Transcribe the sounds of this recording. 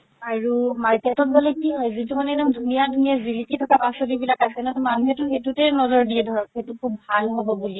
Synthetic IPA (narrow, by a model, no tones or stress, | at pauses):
aɹumaɹketɔt̚balɛkiɦɔjzitumanɛtamdʱunijadʱuniazilititʰɔkapasɔdibilakasɛnatɔmanuɦɛtʊxetutɛnɔzɔɹdiɛdʱɔɹɔkxetukʰubʱalɦobɔbuliɛ